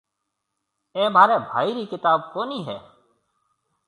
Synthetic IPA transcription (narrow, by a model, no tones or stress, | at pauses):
eːmaːɾeːbʱaːiːɾiːkɪt̪aːb̚koːniːɦɛː